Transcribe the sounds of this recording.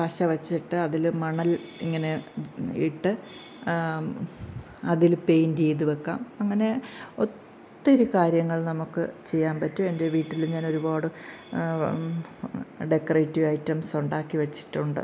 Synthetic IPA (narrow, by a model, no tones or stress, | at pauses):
pɐɕɐʋɐt͡ɕːiʈːɨɐðilmɐɳɐlḭŋːɐne̞ḭʈːɨ | ɐðilpe̞jnd͡ʑejðuʋekːaːmɐŋːɐne̞o̞t̪ː | eɾukaːɾjɐŋːɐɭnɐmukːɨt͡ɕe̞jːaːnpɐtːue̞nde̞ʋiːʈːiluɲaːno̞ɾubaːɽɨ | ɖe̞kːɐrejtːiʋɐjtːɐmsuɳɖaːkːiʋɐt͡ɕːi̥ʈːuɳɖɨ̰